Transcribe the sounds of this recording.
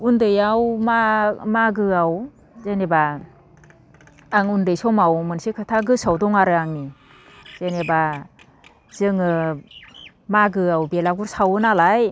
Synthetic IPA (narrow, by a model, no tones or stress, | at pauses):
undɯjawmamaɡɯaw | zeneba | ŋundɯjsɔmawmɯnsikʰɯtʰaɡɯsawdɔŋaɾɯaŋmi | z̥eneba | z̥ɯŋɯ | maɡɯawbelaɡuɾsawɯnalaj